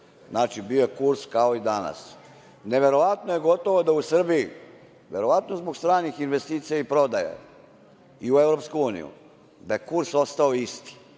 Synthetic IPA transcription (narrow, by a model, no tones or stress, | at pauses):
znaːt͡ʃibiojekuɾskao̞id̪ana̰s | ne̞ʋe̞ɾo̞ʋat̪noje̞ɡo̞t̪o̞ʋod̪ausr̩biji | ʋe̞ɾo̞ʋat̪no̞zboɡst̪ɾaːnixinʋe̞st̪iːt̪sijaipɾo̞d̪aja̰ | iuevɾo̞pskuuːnḭjṵ | d̪aekuɾso̞st̪aoist̪i̥